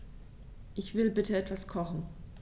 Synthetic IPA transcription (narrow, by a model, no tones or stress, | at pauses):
ʔɪçv̥ɪlbɪtəɛtv̥askʰɔχn̩